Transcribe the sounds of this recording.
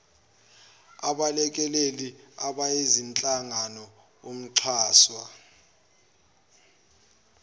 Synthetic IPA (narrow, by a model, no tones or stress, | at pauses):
aɓalɛk̬ʼɛleliaɓaezint͡ɬʼaŋanɔ | om̩ǀʰaːswa